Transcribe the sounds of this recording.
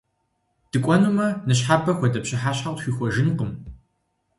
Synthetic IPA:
d̥ɨkʷʼɔnumɐnɨɕħaːbʰɐxʷɔdɐpɕɪħaːɕħaxʷiːxʷɔʒɪnqəm

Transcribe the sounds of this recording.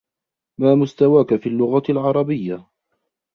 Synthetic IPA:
maːmʊst̪awaːkafiːlːʊɣalʕɑɾˤɑbɪjːa

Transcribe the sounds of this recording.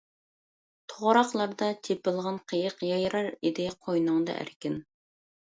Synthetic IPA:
t̪ʰoʁɾɑχlˠɑɾd̪ɑt̪ʰepɪlˠʁɑnqʰəjəqjɑjɾɑɾid̪ɪqʰojnʊŋd̪ɑ̰ʔæ̰ɾkʲɪn

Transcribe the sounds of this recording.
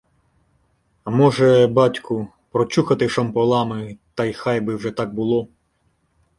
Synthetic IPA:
mɔʒɛbɑtʲkʊ | pɾɔt͡ʃuxɐt̪ɪʃɐmpɔlˠɑmɪt̪ɑjxɑjbɪwʐɛt̪ɑk̚bʊlˠɔ

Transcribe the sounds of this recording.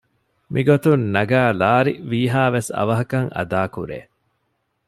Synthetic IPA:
mʔiɡot̪unːɐɡaːlaːɾiʋiːɦaːʋesɐ̰ʋɐɦɐkɐŋɐ̰d̪aːkṵɾḛː

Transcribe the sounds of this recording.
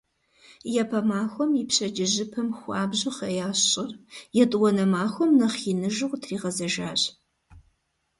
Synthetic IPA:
jɛpʰɐmaːxʷɔmipɕɐd͡ʒɪʑɪpʰɐmxʷɑːbʑɪχɐjaːɕɕʼɪrjɛtʼwɔnɐmaːxʷɔmnɐχinɨʒɨwtʰriːʁɐzɐʒaːɕʼ

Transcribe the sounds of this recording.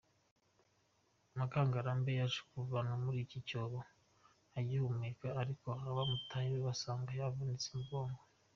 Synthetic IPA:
amakaːŋɡaɾambejaʒu̥kuvanamuɾicicoɾo | ajihumikaːɾikoaβamutʰajiβeβasaːŋɡajavanit͡si̥mɡoːŋɡo

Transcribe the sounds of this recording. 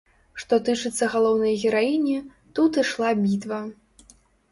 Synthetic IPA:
ʂt̪ɔt̪ɨt͡ʂɨt̪sːɐɣalˠɔwnɐjɣʲɛɾainʲi | t̪ut̪ɨʂlˠabʲit̪vɐ

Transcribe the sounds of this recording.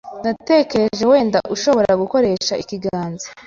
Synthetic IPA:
nate̞ke̞ɾeʒe̞we̞ːndaʔuʃo̞βo̞ɾaɡuko̞ɾe̞ːʃaikiɡaːnza

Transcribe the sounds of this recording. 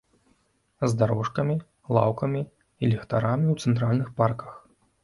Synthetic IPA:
zd̪aɾɔʂkɐmʲi | lˠa̰wkɐmʲi | ilʲɛxt̪aɾamʲiuwt̪sɛnt̪ɾalʲnɨxparkɐ̥x

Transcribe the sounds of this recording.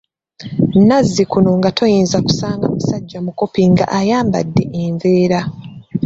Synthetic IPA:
nnazːikuno̞ŋɡatʰo̞jiːnzaku̥saːŋɡamusaɟːamuko̞piŋɡa̰ʔajaːmba̰dːe̞ʔeɱveːɾa

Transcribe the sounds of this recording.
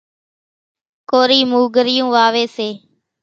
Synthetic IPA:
koːɾiːmuːɡəɾɪjũːʋaːʋeːseː

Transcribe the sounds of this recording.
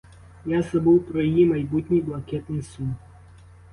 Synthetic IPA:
jasɐbɨwpɾɔjimajbut̪ʲnʲijblˠakʲɛt̪nɨsum

